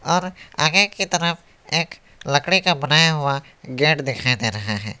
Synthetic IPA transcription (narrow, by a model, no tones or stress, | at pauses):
ɔːɾa̰ːɡekit̪ɐɾəf | eːk | lɐkɽekabɐnaːjaɦʊa | ɡeːʈd̪ɪkʰaːed̪eːɾɐɦaɦɛ̰ː